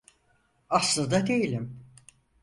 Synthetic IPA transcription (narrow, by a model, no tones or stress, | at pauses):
aslˠad̪ad̪e̞jilʲim